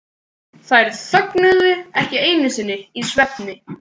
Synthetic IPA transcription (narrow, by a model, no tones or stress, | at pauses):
θaɛɾsœknʏðʏɛhcɪejnɪsɪnːɪisvɛpnɪ